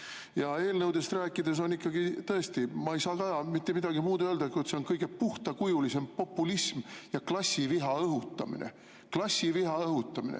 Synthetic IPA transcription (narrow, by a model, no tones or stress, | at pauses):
jɑe̞ːlnɤwd̪̥e̞st̪ræːkˑːid̪̥e̞s̬o̞nikːɑɡ̥it̪ɤest̪imɑejsɑːt̪ɑjɑmit̪ːemid̪̥ɑɡ̥imuːd̪øld̪ɑkujet̪se̞o̞nkɤjɡ̥e̞puht̪ɑkujulise̞mpo̞pːˑulismjɑklɑsʲːiviɦɑɤɦut̪ːˑɑ̰mḭnḛ | klɑsʲːiviɦɑɤɦut̪ːˑɑmḭnḛ